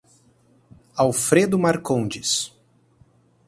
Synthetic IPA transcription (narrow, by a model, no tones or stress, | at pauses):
awfɾed̪ʊmaɾkõd͡ʒɪs